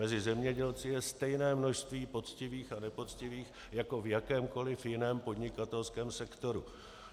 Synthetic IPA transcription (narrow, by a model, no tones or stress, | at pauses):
mɛzɪzɛmɲɛɟɛlt͡sɪjɛst̪ɛjnɛːmno̞ʃst̪viːpo̞t͡scɪviːxanɛpo̞t͡scɪviːx | jako̞vjakɛːmko̞lɪfjɪnɛːmpo̞dɲɪkat̪ɛlskɛːmsɛkt̪o̞ɾu